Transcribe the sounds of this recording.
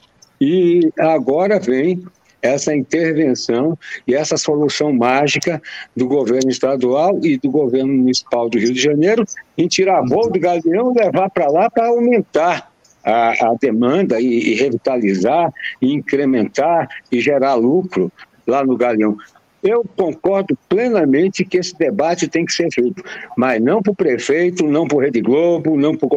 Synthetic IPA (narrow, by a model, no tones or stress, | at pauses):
ɪaɡɔɾɐvẽj̃ | ɛsɐĩnt̪eɾvẽsɐ̃w̃ɪɛsɐsolusɐ̃w̃maʒikɐd̪ʊɡoveɾnʊist̪ad̪uawɪd̪ʊɡoveɾnʊmunisi̥pawd̪ʊɦiwd̪ɪʒɐ̃nejɾʊẽt͡ʃiɾabowd̪ʊɡaliɐ̃w̃ɪlevaɾpɾɐlapɾɐawmẽnt̪aɾ | aɐd̪emɐ̃nd̪ɐiɪɦevit̪alizaɾɪĩkɾemẽnt̪aɾɪʒeɾaɾlukɾʊ | lanʊɡaliɐ̃w̃ | ewkõkɔɾd̪ʊplẽnɐmẽnt͡ʃ̪ɪkɪesɪ̥d̪ebat͡ʃɪt̪ẽj̃kɪ̥seɾvejt̪ʊmɐznɐ̃w̃pʊpɾefejt̪ʊnɐ̃w̃pɾʊɦed̪ɪɡlobʊnɐ̃w̃pʊɾo